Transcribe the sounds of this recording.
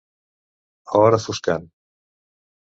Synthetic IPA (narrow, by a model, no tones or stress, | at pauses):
ɔɾəfuskan